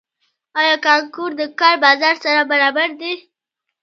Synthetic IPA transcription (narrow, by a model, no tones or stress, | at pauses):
ɑjɑkɑŋkuɾd̪əkɑɾbɑzɑɾsaɾabaɾɑbaɾd̪i